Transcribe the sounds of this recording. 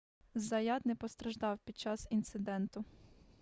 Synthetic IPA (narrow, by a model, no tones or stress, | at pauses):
zɐjɑd̪nɛpɔst̪ɾɐʒd̪ɑwpʲid̪̚t͡ʃɑsint̪sɪd̪ɛnt̪ʊ